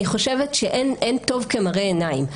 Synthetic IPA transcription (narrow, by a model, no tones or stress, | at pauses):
iχo̞ʃevetʃeʔenʔento̞vkemaʁeenaim